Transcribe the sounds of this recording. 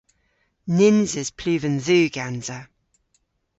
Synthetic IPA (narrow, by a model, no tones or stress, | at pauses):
nɪnzɪz̥pʰl̥ʉːvə̃nðʉːɡ̥anz̥ə